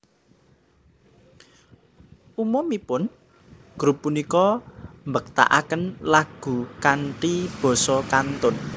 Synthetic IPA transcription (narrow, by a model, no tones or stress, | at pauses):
ʔumɔmipʊn | ɡ̥ɾupːunikɔmbək̚t̪a̰ʔakənlaɡ̥ṳkaɳʈib̥ɔ̤sɔkant̪ʊn